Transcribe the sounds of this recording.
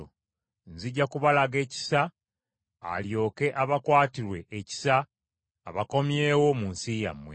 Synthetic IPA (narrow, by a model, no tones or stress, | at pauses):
o̰ | nziɟːakuβalaɡe̞ːci̥sa̰ː | ljo̞ːke̞ʔaβakwaːtiɾwe̞ːci̥saː | βako̞mje̞ːwo̞munsija̰mwe